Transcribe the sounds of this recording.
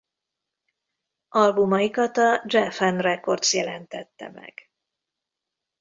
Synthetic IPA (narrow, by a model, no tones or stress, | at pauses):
ʔɒlbumɒjikɒt̪ɒd͡ʒɛfɛnrɛko̞rt̪sjɛlɛnt̪ɛt̪ːɛ̰mɛ̰ɡ̥